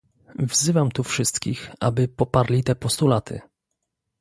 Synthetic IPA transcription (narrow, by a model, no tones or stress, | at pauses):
vzɘvamt̪ufʂɘst̪kʲixa̰bɘpɔpaɾlʲit̪ɛpɔst̪ulat̪ʰɘ̰